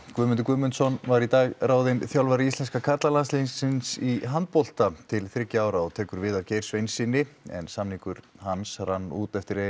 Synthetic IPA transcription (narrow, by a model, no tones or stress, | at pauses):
kvʏmʏnt̪ʏɾkvʏmʏnt̪sɔnvaɾit̪aːɣraːwðɪnθjawlvaɾɪist̪lɛnskakʰat̪lalanslinsɪnsiɦant̪̚pɔl̥t̪at̪ʰɪlθɾɪcːɪaːwɾaɔt̪ʰɛːkʏɾvɪðavcejɾ̥svejnsɪnːɪɛ̰nsamnikʏɾ̥hansranːṵːt̪ɛft̪ɪɾe